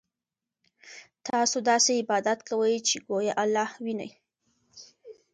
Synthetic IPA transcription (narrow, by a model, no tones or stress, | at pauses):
t̪ɑsod̪ɑseɪbɑd̪at̪kawəjt͡ʃeɡojaʔalːɑhwinə̰j